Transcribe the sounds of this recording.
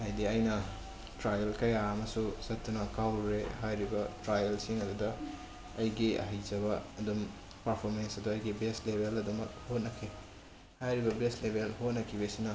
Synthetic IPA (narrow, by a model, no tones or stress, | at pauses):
hajdiɐjnɐ | tɾajelkɐjaɐmɐsusɐtːunɐkawɾeɦajɾibɐtɾajelsiŋɐdudɐ | ɐjɡiɐ̰ɦɐjzɐbɐɐdum | pɐɾpʰoɾmensɐduɐjɡibestlebʱelɐdumɐk̚hot̚nɐkʰe | hajɾibɐbestlebʱelhot̚nɐkʰibesinɐ